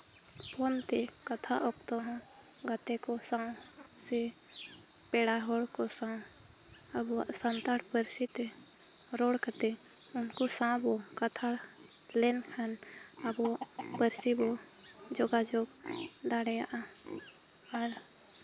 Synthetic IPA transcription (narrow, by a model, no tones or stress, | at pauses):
pont̪ekət̪ʰa̰ʔokt̪oɦã | ɡət̪ekosãse | peːɽaɦoɽkosãː | əbosə̃nt̪aɽpəɾsit̪e | ɾoːɽkət̪e | ʊnkosãbokət̪ʰalenkʰənəbopəɾsibod͡ʒoːɡad͡ʒoːɡd̪aɽeaʔa | əɾ